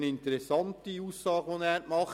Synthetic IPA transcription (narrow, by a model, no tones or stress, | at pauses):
nɪntəɾɛsːɑnt̪iuːsɑːɡʋonæːɾmɑχ